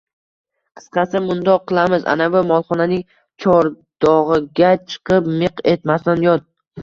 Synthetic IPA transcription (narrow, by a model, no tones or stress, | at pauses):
qʰɨ̥sqʰɑsɪmʊnd̪ɒqʰːɨlˠamɪza̰navʊmɒlˠχɒnanɪŋ | t͡ʃʰɒɾ | d̪̥ɒʁɨɡʲat͡ʃʰɨ̥qʰɨp̚mɪqe̞t̪mast̪anjɒt̪̚